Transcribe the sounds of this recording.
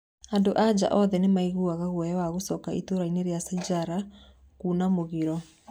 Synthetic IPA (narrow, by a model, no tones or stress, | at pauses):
andoʔad͡ʒa̰ʔɔðɛnemaiɣoaɣaɣwɛjɛwaɣosɔkaitoɾaineɾeasad͡ʒaɾa | kuːnamoɣiɾɔ